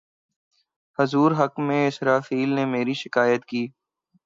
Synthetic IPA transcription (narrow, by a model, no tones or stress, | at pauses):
hɐzuːɾɦəkmẽɪsɾaːfiːlnemeːɾiʃɪkaːjət̪kiː